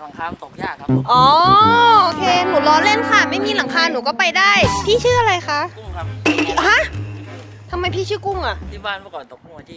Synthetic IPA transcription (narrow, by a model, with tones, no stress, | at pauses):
ʔɔː˨˦ʔoː˧kʰeː˧nuː˨˩˦lɔː˧nle˥˩nkʰa˧˩ma˥˩jmiː˧la˩˦ŋkʰaː˧nːuː˩˦kɔː˥˩pa˧jdaː˥˩jpʰiː˥˩t͡ɕʰɯː˥˩ʔa˧ɾa˧jxa˦˥ʔ | ha˦˥ʔ | t̪ʰa˧mːa˧jpʰiː˥˩t͡ɕʰɯː˥˩ku˧˥˩ŋʔa˨˩ʔ